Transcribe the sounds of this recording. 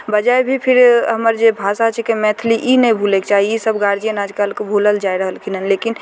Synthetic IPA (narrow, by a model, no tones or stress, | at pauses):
bəd͡ʒaebʱipʰɪɾɦəməɾd͡ʒebʱaːsat͡ʃʰɛkemɛ̃t̪ʰliʔinəĩbʱulekt͡ʃaːɦiisəbɡaɾd͡ʒijənaːd͡ʒkalkebʱuləld͡ʒaeɾəɦəlkʰinənlekin